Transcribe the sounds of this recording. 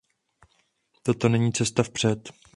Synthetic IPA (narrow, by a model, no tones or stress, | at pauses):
t̪at̪o̞nɛɲiːt͡sɛst̪afpr̥ɛt̪